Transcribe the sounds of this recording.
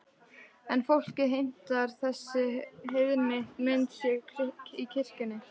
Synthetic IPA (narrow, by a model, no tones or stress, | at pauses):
ɛnfowl̥cɪɦejm̥t̪aɾ̥θɛsːɪɦeðnɪment̪sjɛɣkʰɪkicʰɪr̥cʏnːɪ